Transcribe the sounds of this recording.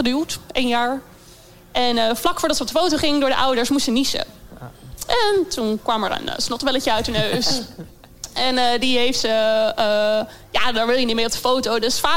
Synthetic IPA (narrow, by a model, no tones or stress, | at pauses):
ədyːlˠtejnjaːɹ | ʔɛnəflɑkfʊːɹdɑtsəɔp̚dəfowtoχɪŋdʊːɹdəʔʌwdəɹsmustsənisə̰ | ʔɛntunkʋɑmɛ̰ɹə̰nə̰snɔtbɛləcəœɥtənøɥs | ʔɛndiɦejftsə | jaːdɔɹʋɪlˠjənitmejɔp̚də̥fowtowdøsfaː